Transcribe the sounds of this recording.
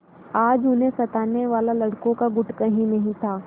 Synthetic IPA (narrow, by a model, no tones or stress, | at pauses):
aːd͡ʒʊnɦẽsɐt̪aːneʋaːlalɐɽkõkaɡʊʈkɐɦĩnɐɦĩt̪ʰaː